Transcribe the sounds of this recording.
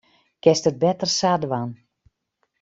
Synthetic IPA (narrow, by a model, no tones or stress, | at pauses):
kɛstət̚bɛtərsadəʋan